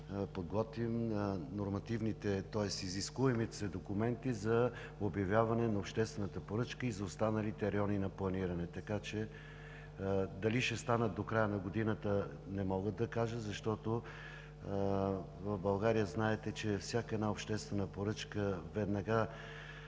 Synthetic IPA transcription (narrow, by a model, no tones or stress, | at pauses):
pod̪ɡɔt̪vimnoɾmɐt̪ivnit̪ɛt̪ɔɛst̪iziskuɛmit̪sɛd̪okumɛnt̪izɐ | objɐvjavɐnɛnɐopʃt̪ɛst̪vɛnət̪əpoɾɤt͡ʃkəizɐost̪anəlit̪ɛɾɛjɔninɐplˠɐniɾɐnɛt̪ɐkat͡ʃɛ | d̪ɐliʃɛst̪anət̪̚d̪okɾajənɐɡod̪inət̪ə | nɛmɔɡət̪d̪ɐkaʒət̪zɐʃt̪ɔt̪o | vɐvbɐlˠɡaɾijəznaɛt̪ɛt͡ʃɛfsʲjakəɛd̪naopʃt̪ɛst̪vɛnəpoɾɤt͡ʃkəvɛd̪nɐɡa